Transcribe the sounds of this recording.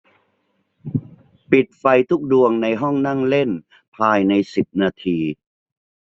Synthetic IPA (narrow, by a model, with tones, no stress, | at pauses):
pi˨˩t̪̚fa˧jt̪ʰu˦˥k̚du˧əŋna˧jɦɔ˥˩ŋna˥˩ŋle˥˩n | pʰaː˧jna˧jsi˨˩p̚naː˧t̪ʰiː˧